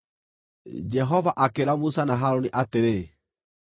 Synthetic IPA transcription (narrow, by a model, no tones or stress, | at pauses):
d͡ʒɛɦɔvaʔakeɾamusanaɦaɾoniʔateɾe